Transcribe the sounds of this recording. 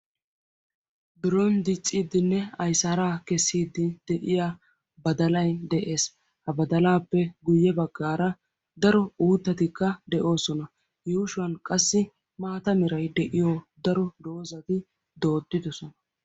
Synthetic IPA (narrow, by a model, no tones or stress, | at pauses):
bɪɾɔnd̪ɪt͡sʼːiːd̪ɪnːɛɐjsaɾaːkɛsːiːd̪ːɪd̪̥ɛʔɪjaː | bɐd̪ɐlɐjd̪ɛʔe̞ːs | hɐbɐd̪ɐlaːpːɛɡʊjːɛbɐɡːaːɾɐ | d̪ɐɾɔuːt̪ːɐt̪ɪkːɐd̪ɛʔo̞ːsɔnɐ | juːʃʊwɐnkʼɐsːɪ | maːt̪ɐmɪɾɐjd̪ɛʔɪjod̪ɐɾɔd̪o̞ːzɐt̪ɪ | d̪o̞ːd̪ːɪd̪ɔsɔnɐ